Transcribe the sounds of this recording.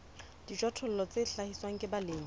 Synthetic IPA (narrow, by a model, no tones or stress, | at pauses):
d̥id͡ʒwatʰʊl̩lɔt͡sʼeɬahiswaŋ̩kʼɪbaleːŋ̩